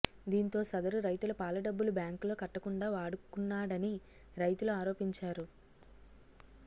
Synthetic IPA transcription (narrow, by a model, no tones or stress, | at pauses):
d̪iːnt̪o̞ːsɐd̪ɐɾuɾɐjt̪ulɐpaːlɐɖɐbːulubjaːŋklo̞ːkɐʈːɐkuɳɖaːʋaːɽukunːaːɽɐni | ɾɐjt̪uluaːɾo̞ːpiɲt͡ʃaːɾu